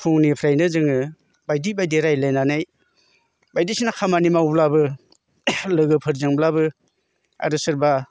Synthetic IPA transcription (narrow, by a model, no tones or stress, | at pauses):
pʰuŋnipʰɾajnɯzɯŋɯ | bajdibajdeɾajlenanaj | bajdisinakʰamanimawblabɯ | lɯɡɯpʰɯɾzɯŋblabɯ | a̰ɾɯsɯɾba